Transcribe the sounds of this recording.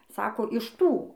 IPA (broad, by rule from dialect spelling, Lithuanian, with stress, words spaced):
ˈsɑːkoː ɪʃ ˈtuː